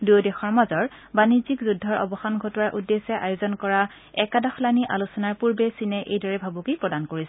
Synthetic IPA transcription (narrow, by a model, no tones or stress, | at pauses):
dujdɛxɔɹmazɔɹ | banizikzudʱːɔɹɔ̰bɔxanɡʱɔtɔaɹʔudːesɛʔajozɔnkɔɹa | ɛkadɔxlaniʔa̰lusɔnaɹpuɹbɛsinɛʔejdɔɹɛbʱabukipɹɔdankoɹisɛ